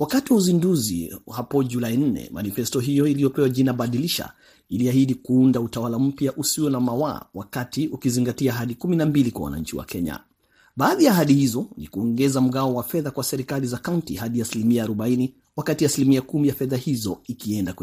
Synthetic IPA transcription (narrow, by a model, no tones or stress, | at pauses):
wakatiwauzinduzḭhapɔʄulain̩nɛ̰ma̰nifɛstɔɦijɔilijɔpɛwaʄinaɓaɗiliʃa̰ | iliahiɗikuundautawalam̩pjaʔusiwɛnamawa̰ːwakatiukiziŋɡatiaɦaɗikuminambilikwa̰wa̰na̰ɲt͡ʃiwa̰kʰɛɲa̰ | ɓaːðiaːɦaɗihizɔnikuɔŋɡɛzam̩ɡaɔwafɛðakwasɛɾikalizakauntḭhaɗiasilimiaːɾɔɓaini | wakatiasilimiakumijafɛðahizɔikiɛndak